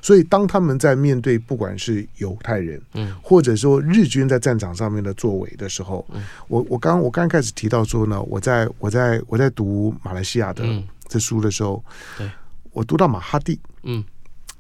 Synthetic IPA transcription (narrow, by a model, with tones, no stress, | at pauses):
swɔ˧˥i˨˩t̪ɑ˥ŋt̪ʰa˥mə˨nt͡sa˥˧ɪmjɛ˥˧nt̪̬we˥˧ɪpu˥˩kwa̰˨˩nʂɻ̩˥˩jo˧˥ʊt̪ʰa˥˩ɪɻə˧˦˥nxwɔ˥˩ʈ͡ʂɤ˨˩ʂ̬wɔ˥ɻ̩˥˩t͡ɕy˥nt͡sa˥˧ɪʈ͡ʂa˥˩nʈ͡ʂɑ˨˩ŋʂɑ˥˧ŋmjɛ˥˩nd̪ə˩t͡swɔ˥˩wḛ˧˥ɪd̪ə˨ʂɻ̩˧˥xo˥˩ʊwɔ˨˩wɔ˨˩kɑ˥ŋ˥ŋwɔ˨˩kɑ˥ŋɑ̃˥ŋkʰa˥ɪʂ̬ɻ̩˨˩t̪ʰi˧˥t̪ɑ˥˩ʊʂwɔ˥nə̰˨wʔɔ̰˨˩t͡sa˥˩ɪwɔ˨˩t͡sa˥˩ɪwɔ˨˩t͡sa˥˩ɪt̪u˧˥ma˨˩la˧˥ɪɕi˥ja̰˥˩d̪ə̰˨˩ʈ͡ʂɤ˥˩ʂu˥d̪ə˨ʂɻ̩˧˥xo˥˩ʊ | wɔ˨˩t̪u˧˥t̪ɑ˥˩ʊma˨˩xa˥t̪i˥˩